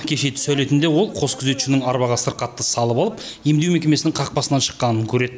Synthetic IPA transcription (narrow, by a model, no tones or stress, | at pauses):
kʲʰe̞ʃe̞t̪ʰʏ̥sæle̞jt̪ɪnd̪e̞wo̞lˠqʰo̞skʲʰʏze̞t̪ʏ̥ʃɪnɪŋɑɾbɑʁɑsəɾqɑt̪ːəsɑlˠəpɑlˠəpje̞md̪ewmekʲemesɪnɪŋqʰɑq̚pɑsənɑnʃə̥qːɑnəŋkʲʰɵɾe̞d̪ɪ